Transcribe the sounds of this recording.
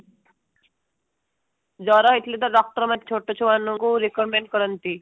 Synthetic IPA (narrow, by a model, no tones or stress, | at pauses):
d͡zɔɾaɦjt̪ʰlet̪əɖɔk̚ʈəɾmat̪̚t͡ɕʰoʈot͡ɕʰoʋanuŋɡuɾikəɾmeɳɖkəɾənt̪i